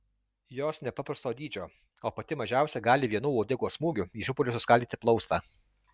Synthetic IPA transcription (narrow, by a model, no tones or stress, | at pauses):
joːsnʲɛpɐpɾɐst̪oːd̪ʲiːd͡ʒʲoː | oːpɐt̪ʲɪmɐʒʲæˑʊsʲɛɡɑːlʲɪʋʲiɛnuːɔːd̪ʲɪɡoːsmuːɡʲʊiʃʊpɔlʲʊsʊskɐlʲd̪ʲiːt̪ʲɪplˠɒʊst̪ɑː